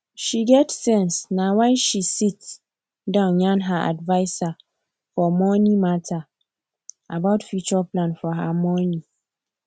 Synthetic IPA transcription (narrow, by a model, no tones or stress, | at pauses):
ʃiɡɛtsɛ̃nsnãwanʃisits | dãnɲãnɦaʔa̰dvaɪsa | fɔmɔ̃nĩmatʰa | a̰baʊtfut͡ʃɔpʰlãnfɔɦamɔ̃nĩ